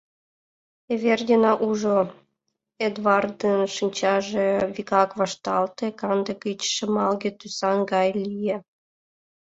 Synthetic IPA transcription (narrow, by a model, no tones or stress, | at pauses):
eβerdʲenɑʔuʒo | ed̪vɑrd̪ənʃinʲt͡ɕɑʒeβikɑkβɑʃt̪ɑlt̪ekɑnd̪əkit͡ɕʃə̆mɑlɣet̪ysɑnɡɑjlʲije